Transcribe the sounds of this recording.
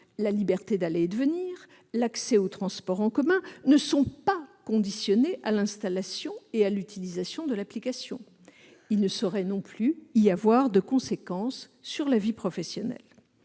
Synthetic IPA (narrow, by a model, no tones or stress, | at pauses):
lalibɛʁt̪ed̪aled̪əvəniːʁ | laksɛot̪χɑ̃spɔʁɑ̃kɔmɛ̃nəsɔ̃pakɔ̃d̪isjɔneʔalɛ̃st̪alasjɔ̃ealyt̪ilizasjɔ̃d̪əlaplikasjɔ̰̃ | ilnəsɔʁɛnɔ̃plyiavwaʁd̪əkɔ̃sekɑ̃sː | yʁlavipχɔfɛsjɔnɛ̰l